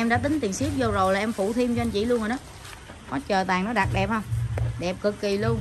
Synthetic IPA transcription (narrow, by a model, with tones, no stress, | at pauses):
ʔɛ˧mɗa̰ː˧˥t̪ï˨˦ŋ̟t̪i˨˩ənsi˦˥ək̚zo˧zo˨˩jlaː˨˩ʔɛ˧mfṵ˧˩t̪ʰi˧mt͡ɕɔ˧ʔa˧nt͡ɕḭ˧˨lu˧ənho˨˩ɗɔ˨˦ | kɔ˨˦t͡ɕəː˨˩t̪aː˨˩ŋnɔ˨˦ɗa˨˩t̚ɗɛ˨˩p̚hə˧wŋ͡mɗɛ˨˩p̚kɨ˨˩kːi˨˩lu˧ən